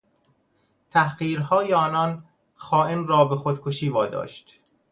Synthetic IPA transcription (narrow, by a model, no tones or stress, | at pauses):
t̪ʰæhɢiːɾɦɒːjeɒːnɒn | xɒːʔemrɒːbexod̪kʰoʃiːvɒːd̪ɒ̰ːʃt̪